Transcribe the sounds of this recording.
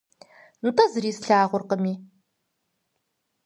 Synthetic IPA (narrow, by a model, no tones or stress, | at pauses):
nɨtʰʼɐzɨɾiːsɬaːʁʷʊrqəmiː